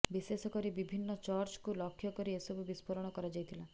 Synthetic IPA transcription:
bisesɔkɔɾibibʱinːɔt͡ʃɔɾt͡ʃkulɔkʰjɔkɔɾiesɔbubispɔɾɔɽ̃ɔkɔɾad͡ʒajt̪ʰila

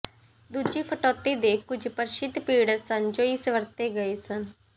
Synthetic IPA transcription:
d̪ud͡ʒiːkʰəʈɔːt̪ːeːd̪eːkʊd͡ʒʱpəɾʃɪt̪piːɽsənd͡ʒoːisʋəɾt̪eːɡəeːsən

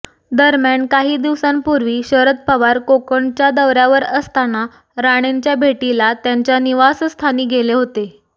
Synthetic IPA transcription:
d̪əɾmjaɳkaɦiːd̪iʋsãmpuɾʋiːɕəɾət̪̚pəʋaɾkokəɳt͡ɕjad̪əʋɾjaʋəɾəst̪ana | ɾaɽ̃eɲt͡ɕjabʱeʈilat̪jaɲt͡ɕjaniʋasst̪ʰaniːɡeleɦot̪e

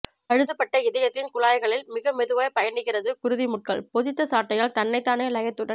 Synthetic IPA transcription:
ɐɻɯðɯpːɐʈːɐɪðɐjɐt̪ːɪnkʊɭaːjɣɐɭɪlmɪɣɐmɛðɯʋaːjpɐjɐɳɯɣɪrɐðɯkʊɾɯðimʊʈ̚kɐɭpɔðɪt̪ːɐsaːʈːɐjaːɭt̪ɐnːɐɪt̪ːaːnelɐjɐt̪ːɯɽɐ

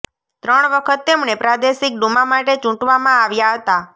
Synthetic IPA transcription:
t̪ɾəɳ̃ʋəkʰət̪ːemɳepɾad̪eʃik̚ɖumamaʈet͡ʃũʈʋamãaʋjaɦət̪a

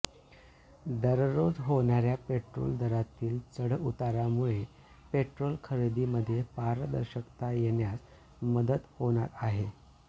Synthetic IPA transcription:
d̪əɾɾod͡zɦoɳ̃aɾjapeʈɾo̰ld̪əɾat̪iːlt͡səɽut̪aɾamuɭe | peʈɾolkʰəɾed̪iməd̪ʱːjepaɾd̪ə̰ɾɕəkt̪ajeɳjat͡s | məd̪ət̪hoɳ̃at̪aɦe

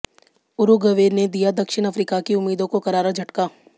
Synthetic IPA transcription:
ʊɾuɡɐʋeːɾned̪ijad̪ɐkʃɪñɐfɾiːkakiʊmːiːd̪õkokɐɾaːɾad͡ʒʱɐʈkaː

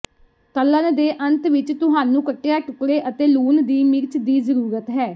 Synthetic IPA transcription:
k̪əlːənd̪eːʔənt̪ʰʋɪt͡ʃt̪ʊɦaːnũːkəʈːejaːʈʊkɽeːʔət̪eːluːnd̪iːmɪɾt͡ʃd̪iːzəɾuːɾət̪ɦɛː

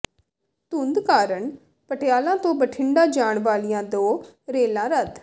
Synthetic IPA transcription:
t̪ʊnd̪kaːɾəɳ | pəʈɪjaːlãːt̪õːbəʈʰɪɳɖãːd͡ʒaːɳʋaːlijãːd̪oːɾeːlãːɾəd̪

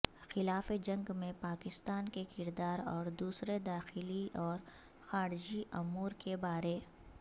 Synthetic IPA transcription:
xɪlaːfed͡ʒɐ̃ŋɡmẽpaːkɪst̪aːnkekɪɾd̪aːɾɔːɾd̪uːsɾed̪aːxɪliʔɔːɾ | xaːɾɪd͡ʒiʔʊmuːɾkebaːɾe

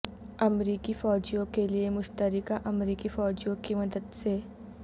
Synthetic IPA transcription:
ɐmɾiːkifɔːd͡ʒijõkeliemʊʃt̪əɾɪkaʔɐmɾiːkifɔːd͡ʒijõkimɐd̪əd̪se

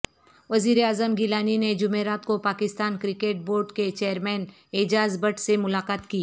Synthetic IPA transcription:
ʋɐziːɾeaːzəmɡɪlaːnined͡ʒʊmeːɾaːt̪kopaːkɪst̪aːnkɾɪkeːʈ̚boːɾɖket͡ʃeːəɾmɛːn | eːd͡ʒaːzbəʈsemʊlaːqaːt̪kiː

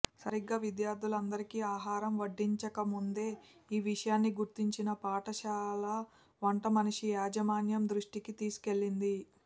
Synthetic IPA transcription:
sɐɾiɡːɐːʋid̪jaːɾd̪ʱulɐnd̪ɐɾikiaːɦaːɾɐmʋɐɖːiɲt͡ʃɐkɐmund̪e̞ːiːʋiʂɐjaːnːiɡuɾt̪iɲt͡ʃinɐpaːʈɐʃaːlɐ | ʋɐɳʈɐmɐniʂijaːd͡ʒɐmaːnjɐmd̪ɾuʂʈikit̪iːsu̥ke̞ɭːind̪i

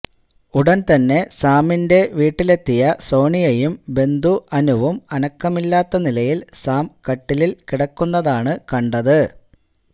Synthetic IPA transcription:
uɽɐnt̪ɐnːe̞saːminde̞ʋiːʈːile̞t̪ːijɐso̞ːɳijɐjumbe̞nd̪uʔɐnuʋumɐnɐkːɐmilːaːt̪ːɐnilɐjilsaːmkɐʈːililkiɽɐkːunːɐðaːɳɨkɐɳɖɐðɨ

